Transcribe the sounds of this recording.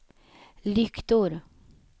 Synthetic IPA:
lʏkt̪ʊɾ

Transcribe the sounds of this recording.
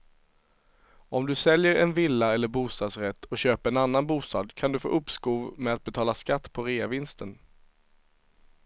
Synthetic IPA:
ɔmd̪ɵsɛljəɾɛnvɪlːaɛlːəɾbuːst̪ɑːd̪sɾɛt̪ːɔɕøːpəɾɛnanːanbuːst̪ɑ̰ːd̪kʰand̪ɵfo̰ːʔɵpskuːvmɛat̪̚bɛt̪ʰɑːlaskat̪ːpʰɔɾeːavɪnst̪ən

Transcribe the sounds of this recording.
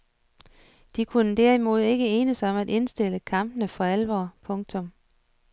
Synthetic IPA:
d̥ikʰunəd̥æɐimo̝ð̞̰ˠe̝ɡ̥əeːnəsaɒ̽mæd̥e̝nsd̥e̝ləkʰɑ̈m̰b̥ənəfɒ̽ælʋɒ̰ːpʰɔ̽ŋt͡sʰɔ̽m

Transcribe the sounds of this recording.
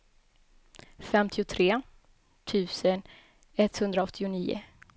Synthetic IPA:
fɛmt̪ʰɪʊt̪ʰɾeː | t̪ʰʉ̟ːsən | ɛt̪hɵnd̪ɾaɔt̪ʰːɪʊniːʊ̰

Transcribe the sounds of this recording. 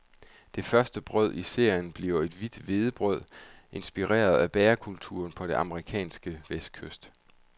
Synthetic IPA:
d̥e̝fɶɐsd̥əb̥ʁœð̞ˠise̝ɐ̰jənb̥liɐʊe̝d̥ʋid̥ʋe̝ð̞ˠəb̥ʁœð̞̰ˠʔe̝nsb̥iʁḛːɐð̞ˠæb̥ɛːɐkʰult͡sʰṵːɐnpʰɒ̽d̥e̝ʔɑ̈məʁikʰɛ̰ːnsɡ̥əʋesd̥̚kʰøsd̥

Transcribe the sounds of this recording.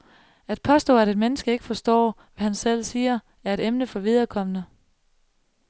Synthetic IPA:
æd̥̚pʰɒ̽sd̥ɔ̰ːæɾe̝d̥menəsɡ̥əe̝ɡ̥ə̥fɒ̽sd̥ɒ̰ː | ʋæhænsel̰siːɐ | æɐe̝ɾ̥emnəfɒ̽ʋið̞ˠɐkʰɒ̽m̰ənə

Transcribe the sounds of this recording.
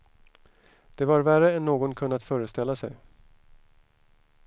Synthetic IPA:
d̪̥ɛvaɾværəɛnːoːɡɔnkʰɵnːat̪fœːɾəst̪ɛlːasɛ̰j

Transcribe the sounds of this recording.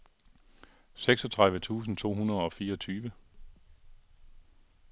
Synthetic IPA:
seɡ̥sɒ̽t͡sʰʁaðˠʋət͡sʰṵːs̬n̩t͡sʰo̝̰ːɦunɐð̞ˠɒ̽fiːɐɒ̽t͡sʰyːʋə

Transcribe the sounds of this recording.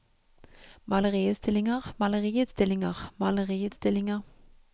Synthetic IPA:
mɑləʁiːʉːt̪st̪ɪlːɪŋəʁmɑləʁiːʉːt̪st̪ɪlːɪŋəʁmɑləʁiːʉːt̪st̪ɪlːɪŋəʁ

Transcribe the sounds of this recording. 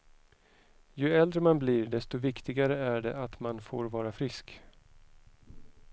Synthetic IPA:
jɵɛld̪ɾəmanbliːɖɛst̪ɔvɪkt̪ɪɡaɾəæɖɛʔat̪manfo̰ːɾvɑːɾafɾɪsk

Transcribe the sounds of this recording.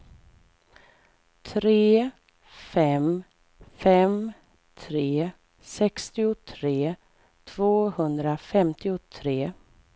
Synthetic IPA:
t̪ʰɾeː | fɛm | fɛm | t̪ʰɾeː | sɛkst̪ɪʊt̪ʰɾeː | t̪ʰv̥oːhɵnd̪ɾafɛmt̪ɪʊt̪ʰɾeː

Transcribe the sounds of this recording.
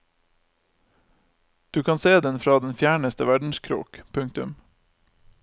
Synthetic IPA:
d̪̥ʉːkʰɑːnseːd̪ɛnfɾɑːd̪ɛnfjæːɳəst̪əʋæɖɳ̩skʰɾṵːkpʰʉŋk̚t̪ʉ̰m

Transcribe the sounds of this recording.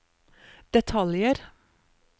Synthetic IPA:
d̪̥ɛt̪ʰɑljəɾ

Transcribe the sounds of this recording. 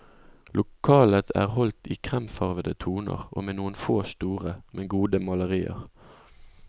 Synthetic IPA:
lʔʊkʰɑːlət̪ʰæ̰ːʁhɔlt̪iːkʰʁɛmfɑʁʋəd̪ət̪ʰuːnə̰ʁʔo̰ːmeːnuːənfoːst̪uːʁəmʔɛnɡuːd̪əmɑləʁiːə̰ʁ

